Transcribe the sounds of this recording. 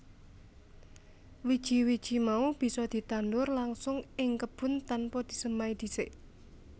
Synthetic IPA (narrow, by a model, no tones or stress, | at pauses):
wid̥ʒ̥i̤wid̥ʒ̥i̤maub̥i̤sɔd̪̥i̤t̪and̪ʊrlaŋsʊŋɪŋkəb̥ʊ̤nt̪anpɔd̪̥i̤səmaid̪̥i̤sɪʔ